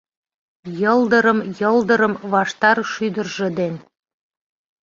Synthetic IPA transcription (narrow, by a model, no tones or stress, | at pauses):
jɤld̪ə̆ɾəmjɤld̪ə̆ɾə̆mβɑʃt̪ɑɾʃyd̪ə̆rʒĕd̪en